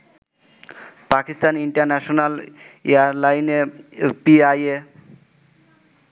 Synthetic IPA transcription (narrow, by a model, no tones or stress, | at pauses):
pakist̪aniɳʈaɾnɛʃonaleaɾlajnepiaje